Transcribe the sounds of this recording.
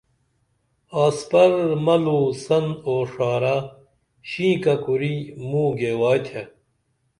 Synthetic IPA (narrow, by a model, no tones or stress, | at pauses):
aːspɐɾmɐluːsɐnoːʂaːɾa | ɕĩːkɐkuɾimũːɡeːwaːjt̪ʰje